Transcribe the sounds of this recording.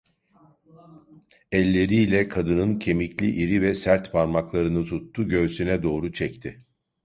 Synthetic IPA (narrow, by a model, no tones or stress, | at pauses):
ɛlʲːe̞ɾilʲɛkʰad̪ɯnɯncʰe̞miclʲiʔiɾivɛsæɾt̪pʰaɾmaklˠaɾɯnɯt̪ʰut̪ːuɟø̞ːsynɛd̪o̞ːɾut͡ʃʰɛct̪ʰɪ